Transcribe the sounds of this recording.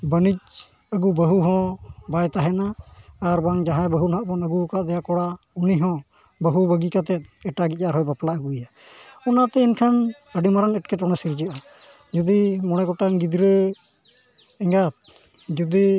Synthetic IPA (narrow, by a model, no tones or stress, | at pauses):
bənic̚ | əɡubəɦuɦɔ̃bajt̪aɦɛnaːɾbaŋd͡ʒaɦãbəɦunɦaʔbɔnəɡukad̪ɛjakɔɽa | uniɦɔ̃ | bəɦubəɡikat̪ɛt̪̚ɛʈaɡic̚ˀaɾɦɔjbaplaəɡuja | ɔnat̪ɛinkʰan | əɖimaɾaŋɛʈ̚kɛtɔɽ̃ɛsiɾid͡ʒəʔa | d͡ʒud̪imɔɽ̃ɛɡɔʈaŋɡid̪ɾə | ɛŋɡat̪̚ | d͡ʒud̪i